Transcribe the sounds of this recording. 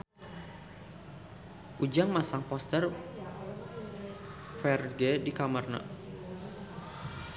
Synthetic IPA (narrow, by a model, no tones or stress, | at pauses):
ʔud͡ʒaŋmasaŋpɔst̪ər | fɛrɡedikamərna̰